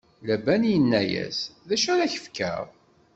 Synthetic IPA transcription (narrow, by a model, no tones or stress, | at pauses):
læbænjənːæjæ̰sðæʃæɾæçə̥fkə̰ɾˤ